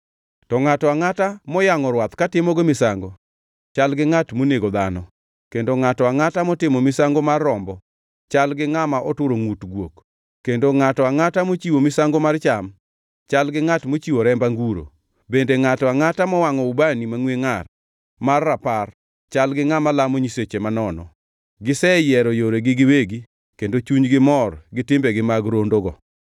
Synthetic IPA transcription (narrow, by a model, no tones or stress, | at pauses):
tɔŋatɔaŋatamɔjaŋɔɾwat̪katɪmɔɡemɪsaŋɡo | t͡ʃalɡɪŋatmoneɡod̪a̰nɔ | kendoŋatɔaŋatamɔtɪmɔmɪsaŋɡomarːɔmbɔ | t͡ʃalɡɪŋamaʔɔtʊɾoŋutɡwo̰k | kːendoŋatɔaŋatamot͡ʃiwomɪsaŋɡomart͡ʃam | t͡ʃalɡɪŋatmot͡ʃiwoɾɛmbaŋɡuɾo̰ | bendeŋatɔaŋatamɔwaŋɔubanimaŋweŋar | marːapar | t͡ʃalɡɪŋamalamoɲiset͡ʃemanɔnɔ̰ | ɡɪsɛjɛɾɔjoɾeɡɪɡɪweɡi | kendot͡ʃuɲɡɪmɔrɡɪtɪmbeɡɪmaɡɾondoɡɔ